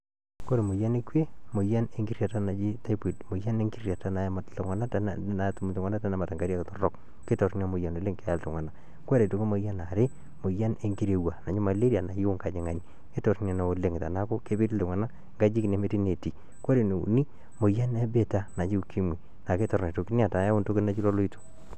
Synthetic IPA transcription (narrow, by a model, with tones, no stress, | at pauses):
ko˦ɾe˨mo˨ja˦ne˦kwe˦mo˨ja˦ne˨ŋɡi˦rja˨ta˦na˨d͡ʒi˦ta˦pi˨tmo˨ja˦ne˦ŋɡi˦rja˨ta˦na˨jma˨tto˨ŋwa˨na˦ta˨nna˨tu˦m˨tu˨ŋʷa˦na˦ta˦na˦ma˨ta˨ŋɡa˦ɾja˦ktɔ˨rɔ˦˨k | ke˦tɔ˨ɾn˦a˨mo˨ja˨no˨le˦ŋke˦ja˨lto˨ŋwa˨na˨ | ka˦ɾe˨tu˨ke˦mo˨˦ja˦na˨ɾe˦ | mo˨ja˦ne˨ŋɡi˦ɾe˨wa˨na˨d͡ʒi˦ma˨le˦ɾia˨na˨jo˦ŋka˨d͡ʒe˨ŋa˨ni˨ | ke˦tɔ˨tna˨na˨o˨le˨ŋ˨ta˨na˦ko˦ke˦be˦tto˨ŋwa˨na˦ | ŋɡa˦d͡ʒi˦ki˨ne˨˦me˦ti˦ne˨ti˨ | kwa˦ɾe˨ne˨ṵ˨ni˦ | mo˨ja˦nɛ˦be˨ta˦na˨t͡ʃi˦u˦kʰi˦mwi˨ | na˨ke˦tɔ˨ɾne˨to˨ki˦nja˨ta˨ja˦o˦nto˦ke˦na˨t͡ʃi˦lo˦lo˦i˦to̥˨